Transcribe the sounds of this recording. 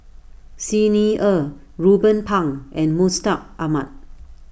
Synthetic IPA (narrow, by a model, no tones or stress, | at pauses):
siniə | ɹubə̃npʰãŋʔɛ̃nmustak̚amat̚